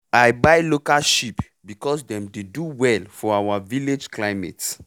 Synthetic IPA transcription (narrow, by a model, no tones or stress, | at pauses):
ajbajlokalʃip | bikɔsdɛ̃mdeduwɛlfɔawaviled͡ʒklaɪmɛ̰ts